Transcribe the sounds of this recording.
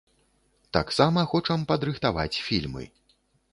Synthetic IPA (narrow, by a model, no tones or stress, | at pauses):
t̪a̰ksamɐxɔt͡ʂɐmpɐd̪ɾɨxt̪ava̰t͡sʲfʲilʲmɨ̰